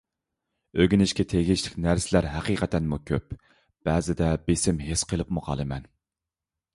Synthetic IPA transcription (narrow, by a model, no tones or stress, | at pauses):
øɡʲinɪʃkʲɛt̪ʰeɡʲiʃlɪkʲnæɾsɪlæɾɦæqiqʰɛt̪ʰɛnmukʲʰøp | b̥ɛːzɪd̪ɛbesɪmɦesqʰəlˠɨpmʊqʰɑ̰lˠɨmɛn